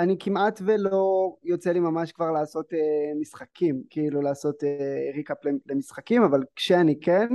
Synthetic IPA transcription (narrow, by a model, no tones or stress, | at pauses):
anikimat̪velo̞jo̞t͡selimamaʃkvaʁlaːso̞temisχakʰimkiilulaːso̞tːeʁikaplelemisχakimavalkʃeanikenn